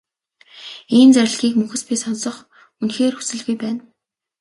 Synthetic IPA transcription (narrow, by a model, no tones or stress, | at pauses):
iːnt͡sæɾ̆ʲɮɣiːkmɵxɘ̆spʲiːsɔnsɞ̆χ | unxeːrxu̥sɘ̆ɮɣujpæːn